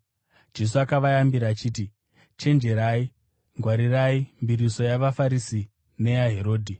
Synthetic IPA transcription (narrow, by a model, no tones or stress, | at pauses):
d͡ʒe̞s̬uakaʋajambiɾaːt͡ʃiːti | t͡ʃe̞nd͡ʒe̞ɾai | ŋɡwaɾiraimbiɾiso̞jaʋafaɾisi | ne̞jaɦe̞ɾo̞ːdʱi